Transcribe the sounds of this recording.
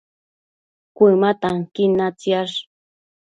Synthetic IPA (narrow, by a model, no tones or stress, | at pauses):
kʷimat̪aŋkɪnat͡sjaʂ